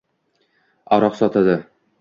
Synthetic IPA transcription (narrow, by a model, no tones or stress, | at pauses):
ɒɾɒqsɒt̪ad̪ɤ